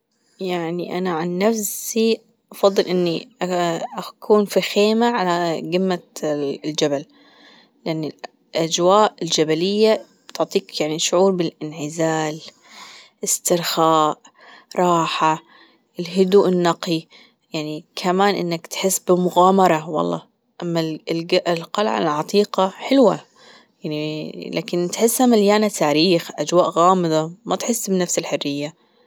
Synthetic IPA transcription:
jaʕniʔa̰naʕanːafsi | ʔɑfɑðˤːɨlʔɪnːiʔaʔakʰuːnfixeːmaʕalaɡɪmːald͡ʒabal | jaʕnil | ʔad͡ʒwaːʔɪld͡ʒabalɪjːa | bt̪ʊʕt̪ˤiːkjaʕniʃʊʕuːɾbɪlʔɪnʕɪzaːl | ʔɪst̪ɪɾxaːʔ | ɾˤɑːħa | ɪlɦʊd̪uːʔɪnːɑqi | jaʕnikʰamaːnʔɪ̰nːakt̪ħɪsːbɪmʊɣaːmɑɾˤɑwɑ̰lˤːɑ̰ː | ʔamːallɡaʔɪlqɑlʕa̰lʕɑt̪ˤiːqɑħɪlwa̰ | jaʕnilʔa̰ːkɪnt̪ħɪsːhamaljaːnat̪ʰaːɾiːxʔad͡ʒwaːʔɣaːmɨd̪ˤɑmat̪ħɪsːbɪnafsɪlħʊrːɪjːa

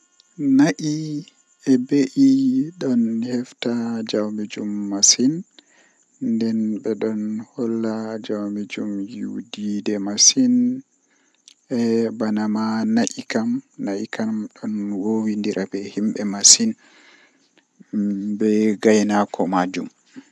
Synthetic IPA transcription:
naʔi | ɛbeʔiɗɔnhɛftad͡ʒawmid͡ʒumːasin | ndɛnɓɛɗɔnhɔlːad͡ʒawmid͡ʒumjuwdidɛmasin | ɛbanamanaʔikamnaʔikamɗɔnwowindiɾʔabɛhimɓɛmasin | bɛɡajnakʰɔmad͡ʒum

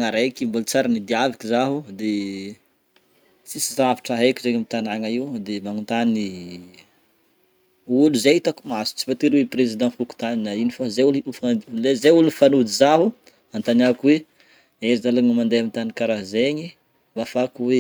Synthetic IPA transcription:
ŋaɾejkimbult͡saɾanid̪iavikizaɦud̪e | t͡sisizavi̥ʈ͡ʂaɦekʲizeɲəmit̪anaŋaiwd̪emanut̪ani | uluzeit̪akumasu̥t͡si̥pat̪iɾweprezid̪ɑ̃fuku̥t̪aninainifazeuliiflezeulnifanud̪izaɦu | ant̪anakwe | ezalaŋəmand̪eamint̪anikaɾazeɲi | mafakuwe

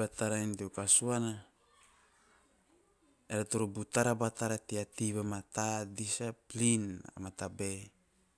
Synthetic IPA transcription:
at̪aɾaint̪iokasuana | eɾat̪uɾubut̪aɾabat̪aɾat̪iat̪iβamat̪adisaplina̰mat̪abe

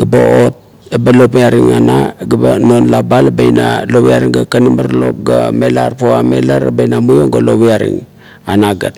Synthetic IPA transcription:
ɡ̥aba̰ot̚ | ebalopiaɾiŋanaɡabanonlabalabejnalowiaɾiŋɡakanimaɾlo̞̰p̚ɡa̰melarpoamelaɾa̰bejnamujoŋɡaloβiaɾḭŋ | anaɡat

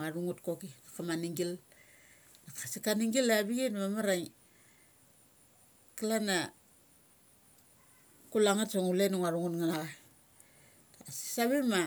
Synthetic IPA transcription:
aɾuŋutkokinakamaniŋɡil | nakḁsikaniŋɡilabiɡenβamaɾaŋ | kilana | kulaŋatsoŋulenaŋaɾuŋutŋanaɣa | taasi̥saβema

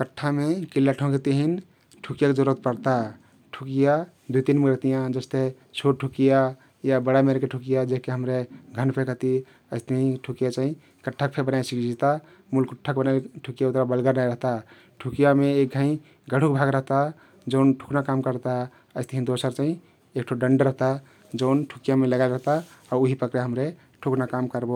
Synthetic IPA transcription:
kəʈʰːamekilːaʈʰõket̪eɦin | ʈʰukijaked͡ʒəɾət̪pəɾt̪a | ʈʰukija | d̪uit̪inmeɡɾəɦt̪ijãd͡ʒəst̪e | t͡ʃʰoʈ̚ʈʰukija | jabəɽameɾkeʈʰukijad͡ʒeɦkeɦəmɾeɡʱənpʰekəɦt̪i | əɪst̪əɦĩʈʰukijat͡ʃaɦĩ | kəʈʰːək̚pʰebənajsikd͡ʒʱit̪a | mulkuʈʰːək̚bənajʈʰukijaut̪ɾabəlɡəɾnajɾəɦt̪a | ʈʰukjameek̚ɡʱə̃ĩ | ɡəɽ̤ʱukbʱaɡɾəɦt̪a | d͡ʒəʊnʈʰu̥knakamkəɾt̪a | əɪst̪əɦĩd̪osəɾt͡ʃaɦĩ | ek̚ʈʰoɖəɳɖɾəɦt̪a | d͡ʒəʊnʈʰukijameləɡajɾəɦt̪aɔɾuɦipəkɾeɦəmɾe | ʈʰuknakamkəɾbo

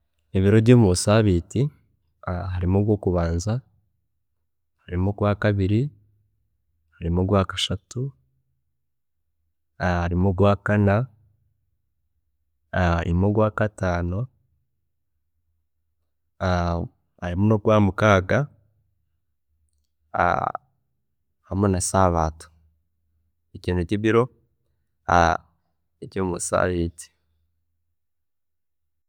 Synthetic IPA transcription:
eβiɾo̞βjoːmuβosaːβiːti | ɦaɾimoɡwo̞ːkuβaːnza | haɾimoɡwaːkaβiɾi | haɾimuɡwaːkḁʃatu | haɾimuɡwaːkana | ḭmoɡwaːkataːno̞ | a | aɾimunoɡwaːmukaːɡa | a̰ | hamenasaβaːtu̥ | eciːnuciβiɾo̞ | a̰ | ecomusa̰βiti̥

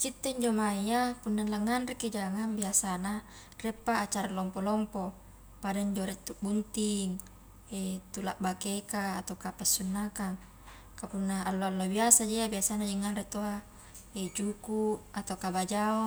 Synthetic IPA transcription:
t͡ʃit̪ːeiɲd͡ʒomaiapunːanlaŋːanriked͡ʒaŋaŋbiasana | rɛpːaːt͡ʃaɾalɔmpolɔmpo | padaɲd͡ʒoɾɛt̪ːuʔbunt̪iŋ | et̪ulaʔbakekaːt̪awkapɛsːunːakaŋ | kapunːaːlːoalːobiasad͡ʒeabiasanad͡ʒɛŋːanret̪oa | ed͡ʒukuat̪awkabad͡ʒao

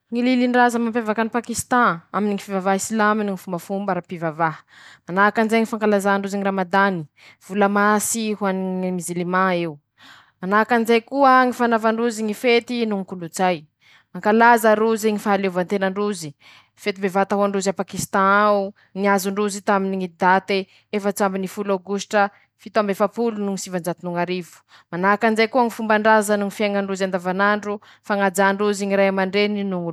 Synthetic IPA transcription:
ŋililiɳɖ͡ʐazəmampevakanipakist̪ãaminiŋifivavaɦisilaminŋifumbəfumbaɾapivavaɦə̥ | manakanizajŋifaŋkalazaɳɖ͡ʐuziŋiramad̪ani | v̥ulamasiɦuanmizilimãeu | manakanizajkuəŋifanavaɳɖ͡ʐuziŋifet̪inuŋikulut͡saj | maŋkalazəɾuziŋifalevant̪enaɳɖ͡ʐuzi | fet̪imbevat̪aɦaɳɖ͡ʐuzapakist̪ãu | ŋiazuɳɖ͡ʐuzit̪aminiŋid̪at̪e | efət͡sambinifulawɡusʈ͡ʂə | fit̪uambefapulunuŋisivand͡ʒat̪inuŋaɾivu̥ | manakanzajkuəŋifumbaɳɖ͡ʐazənuŋifjaŋaɳɖ͡ʐuzand̪avanaɳɖ͡ʐu | faŋad͡zaɳɖ͡ʐuziŋiɾajamaɳɖ͡ʐeninuŋu

